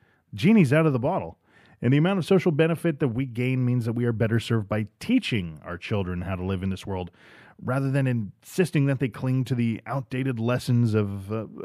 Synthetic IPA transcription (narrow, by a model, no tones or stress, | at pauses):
d͡ʒĩñizaʊɾʌvðəbɑɾl̩ˠ | ɨ̃nðiɨmãʊ̃ntʌv̥soʊʃl̩ˠbɛñɨfɨt̪̚ðɨt̬̚wiɡẽɪ̃nmĩnzðɨt̚wiə˞bɛɾə˞sɜ˞vbaɪtʰit͡ʃɪ̃ŋa̰ʊə˞t͡ʃʰɪlˠdɹɨ̃nhaʊɾəlɪṽnðɪswɜ˞lˠd̚ | ɹæðə˞ðɨ̃nɨ̃nsɪstɪ̃ŋðɨt̪̚ðeɪkʰl̥ɪ̃ŋtʰɨðiaʊt̚d̥eɪɾɨdˡlɛsɨ̃nzʌv